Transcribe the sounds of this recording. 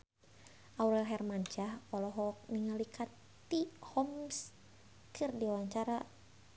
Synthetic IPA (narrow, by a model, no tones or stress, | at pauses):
ʔauɾɛlɦɛrmaɲt͡ʃahɔlɔɦɔk̚ŋəŋalikʰat̪ː | ihɔms | kʰɨrdiwaɲt͡ʃaɾa